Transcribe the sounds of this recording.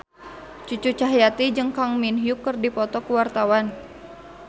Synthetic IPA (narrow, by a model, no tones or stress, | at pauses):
t͡ʃut͡ʃut͡ʃaɦjat̪id͡ʒɨŋkaŋminɦjukːərdipɔt̪ɔkəwart̪awan